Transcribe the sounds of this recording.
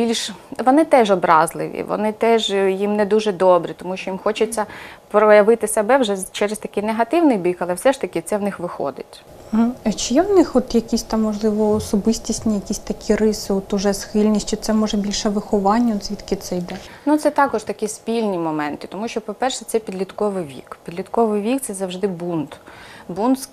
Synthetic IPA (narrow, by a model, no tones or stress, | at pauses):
bʲilʲʃʋɔnɪt̪ɛʒɔbɾɑzlˠɪ̰ʋʲḭʋɔ̰nɪt̪ɛʒjimnɛd̪uʒɛd̪ɔbɾʲit̪ɔmuʃt͡ʃɔjimxɔt͡ʃʊt͡sʲːɐpɾɔjɐʋɪt̪ɪsɛbɛwʒɛt͡ʃɛɾɪst̪ɐkʲɪjneɦɐt̪ɪwnɪjbʲikɐlˠɛfsɛʃt̪ɐkʲɪt̪sɛwnɪxʋɪxɔ̰d̪ɪ̰t̩ʲ | ɦ̩ɐt͡ʃɪjɛwnɪxɔt̪jɐkʲisʲt̪ɑmːɔʒlˠɪʋɔːsɔbɪsʲtʲisʲnʲijɐkʲisʲt̪ɐkʲirɪsɪɔt̪ʊʒɛsxɪlʲnʲisʲt͡ʃɪt̪sɛmɔʒɛbʲilʲʃɛʋɪxɔʋɑnʲːɐɔt̪sʲit̪kʲɪt̪sɛjd̪ɛnut̪sɛt̪ɑkɔʒt̪ɐkʲispʲilʲnʲimɔmɛnt̪ɪ̥t̪ɔmuʃt͡ʃɔpɔpɛrʃɛt̪ɛpʲid̪lʲit̪kɔʋɪjʋʲḭkpʲid̪lʲit̪kɔʋɪjʋʲik̚t̪sɛzɐwʒd̪ɪbunt̪bunt̪s